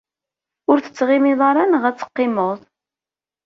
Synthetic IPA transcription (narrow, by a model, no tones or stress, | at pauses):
ʊɾθə̥t͡sːʁɪmiðˤɑɾˤɑnʁæt͡sːə̥qːɪmoðˤ